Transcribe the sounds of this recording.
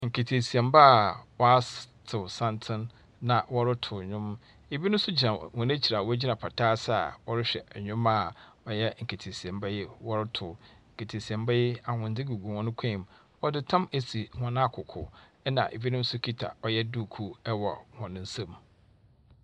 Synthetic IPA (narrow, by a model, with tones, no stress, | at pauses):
ŋ̩˨kʰe˨tʰe˨si˨ɛ̃˨mba˦a˨wɔ˦a˦stʰɪ˨sã˦ntʰɪ̃˦nː | ã˨wɔ˦ɾɪ˦tʰʊ˨ɲᶣʊ̃˦m | e˨bi˦nʊ̃˦sʊ˦d͡ʑi˨ã˨hɔ̃˨n˦æ˦t͡ɕʰi˨ɾa˨wɔ˦æ˦d͡ʑi˦nã˨pʰa˨tʰaː˦sa˦a̰˨wɔ˦ɾɪ˦ɕᶣɛ̰˨ɲᶣʊ̃˦ma˦ | ɔ˨jɛ˦ŋ̩˨kʰe˨tʰe˨si˨ɛ̃˨mbɛ˦jɪ˦wɔ˦ɾɪ˦tʰʊ˨ŋ̩˨kʰe˨tʰe˨si˨ɛ̃˨mbɛ˦jɪ˦a˨ŋʊ̃˨n˨dɪ˦ɡu˨ɡu˨hɔ̃˦nʊ̃˦kʷʰɛ̃˦˨m | wɔ˦dɪ˦tʰã˦me˨si˨hɔ̃˨ñ˦˨kʰʊ˨kʰʊ̰˨ɛ˦nã̰˨ʔḛ˨bi˦nʊ̃˦m̩˦sʊ˦kʰi˦tʰa̰˨ɔ˨jɛ˦du˦˨kʰu˦ɛ˦wɔ˨hɔ̃˨nʊ̃˨n̩˦sẽ˦m